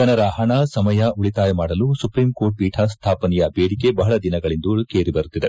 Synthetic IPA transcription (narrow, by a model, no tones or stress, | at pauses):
d͡ʒɐnɐɾɐɦɐɳɐsɐmɐjɐuɭit̪aːjɐmaːɽɐlusupɾiːmkoːɾʈ̚piːʈʰɐst̪ʰaːpɐnɛjɐbeːɽike̞bɐɦɐɭɐd̪inɐɡɐɭind̪ukeːɾibɐɾut̪ːid̪e̞